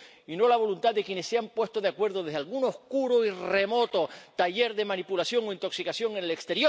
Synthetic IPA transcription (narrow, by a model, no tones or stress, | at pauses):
ino̞laβ̞o̞lunt̪aðe̞kje̞nesːeampwe̞st̪oðeakwe̞ɾðoðeðealɣunohkuɾoire̞mo̞t̪o̞t̪aʝeɾðe̞manipulasjo̞ŋo̞int̪o̞ksikasjo̞ŋenelekst̪e̞ɾjo